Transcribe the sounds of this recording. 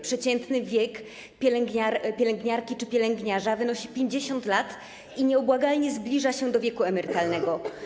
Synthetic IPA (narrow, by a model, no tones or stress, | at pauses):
pʂɛt͡ɕɛnt̪nɘvʲjɛk | pʲjɛlɛŋɡɲaɾpʲjɛlɛŋɡɲaɾkʲit͡ʂɘpʲjɛlɛŋɡɲaʐavɘnɔɕipʲjeɲd͡ʑeɕɔnt̪lat̪ | iɲɛɔbwaɡalɲɛzblʲiʐaɕɛd̪ɔvʲjɛkuɛmɛɾɘt̪alnɛɡɔ